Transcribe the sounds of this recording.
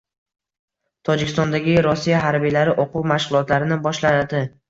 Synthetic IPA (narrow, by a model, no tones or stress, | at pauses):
t̪ʰɒd͡ʒɪkʲɪ̥st̪ɒnd̪aɡʲɪɾɔsːijaɦaɾbijlaɾɪʔoqʰuwmaʃʁʊlˠɒt̪laɾɪnɪbɒʃlad̪ɪ